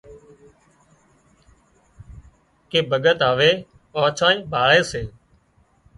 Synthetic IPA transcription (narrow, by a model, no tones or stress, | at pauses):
keːbʱəɠət̪ɦaːʋeː | aːt͡ʃʰãːĩːbʱaːɭeːseː